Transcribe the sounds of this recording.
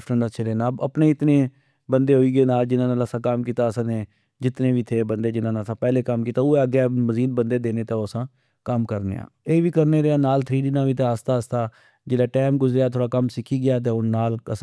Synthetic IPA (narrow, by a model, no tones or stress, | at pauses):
fʈənaːt͡ʃʰeɾeːnaːbə̰pneːɪt̪neː | bənd̪eːɦoːiːɡeːnaːld͡ʒɪnãːnaːləsãːkamkiːt̪aːəsãːneː | d͡ʒɪt̪nẽːʋiːt̪ʰeːbənd̪eːd͡ʒɪnãːneəsãːpɛːleːkəmkiːt̪aːʊeːəɡɛːməziːd̪̚bənd̪eːd̪eːneːt̪ãːoːəsãː | kəmkəɾnḛːã̰ːeːʋiːkəɾneːɾeːaːnaːlt̪ʰɾiːɖɪnãːʋiːt̪ẽəst̪aːəst̪aː | d͡ʒeːlaːʈɛːmɡʊzɾeaːt̪ʰoːɽaːkəmsɪkʰiːɡɪjaːt̪̬eːʊnaːləs